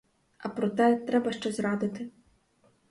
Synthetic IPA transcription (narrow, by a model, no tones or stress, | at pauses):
ɐpɾɔt̪ɛt̪ɾɛbɐʃt͡ʃɛzɾɑd̪ɪt̪ɪ